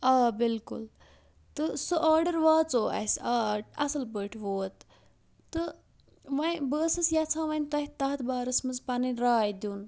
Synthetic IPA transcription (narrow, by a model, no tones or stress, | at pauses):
aːbilkṵl | t̪ɨsɨʔaːɾɖɐɾʋaːt͡soːɐ̰saːʈɐsɐlbəʈʰʋoːt̪ | t̪ːɨ | ʋɐjbəːsɐsjat͡sʰãːʋɐnʲt̪ɐɦit̪ɐːɐt̪ʰbaːɾɐsmɐzpɐniɾaːjd̪juːn